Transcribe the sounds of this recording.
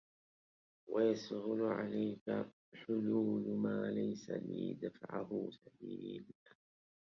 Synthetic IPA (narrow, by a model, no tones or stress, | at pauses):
wajashʊlʊʕalajka | ħʊluːlmaːlajsaliːd̪afaʕahʊsabiːla